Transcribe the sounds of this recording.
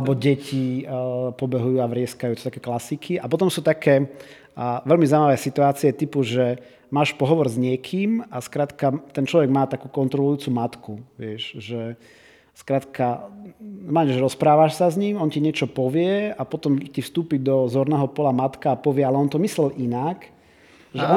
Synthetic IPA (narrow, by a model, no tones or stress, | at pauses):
ɛbɔɟɛcʰi | pɔbɛɦujuːaʋɾɪɛskajuːt̪ɔst̪akɛːklasikʰiapɔt̪ɔmsuːt̪akʰɛː | ʋɛlmizaimaʋɛːsit̪uaːt͡siɛt̪ipuʒɛ | maːʃpɔɦɔʋɔɾzɲɪɛkʰiːmaskɾaːt̪kat̪ɛnt͡ʃlɔʋɛɡmaːt̪akuːkɔnt̪ɾɔlujuːt͡sumat̪kuʋɪɛʃʒɛ | skɾaːt̪kʰa | maɲʒɛɾɔspɾaːʋaʃsazɲimɔntciɲɪɛt͡ʃɔpɔʋɪɛapɔt̪ɔmcifst̪uːpid̪ɔzɔɾnɛːɦɔpɔlamat̪kaːpɔʋɪɛalɛɔnt̪ɔmislɛlʔinak | ʒɛɔ